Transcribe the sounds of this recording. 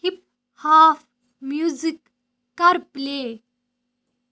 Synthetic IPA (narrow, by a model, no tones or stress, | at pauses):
hip̚ | haːf | mjuzikː | ɐɾpleː